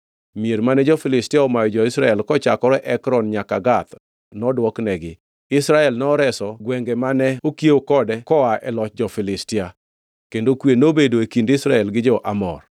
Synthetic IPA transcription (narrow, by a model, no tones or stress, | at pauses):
mieɾmanɛd͡ʒɔfɪlɪstɪaɔmajɔd͡ʒɔɪsɾaɛlkɔt͡ʃakɔɾɛʔɛkɾɔnɲakaɡat̪ | nɔdwɔknɛɡɪ | ɪsɾaɛlnɔɔɾɛsɔɡwɛŋɡɛmanɛokjeokɔdɛkɔaɛlɔt͡ʃd͡ʒɔfɪlɪstɪa | kendokwenobedoekindɪsɾaɛlɡɪd͡ʒɔʔamɔ̰r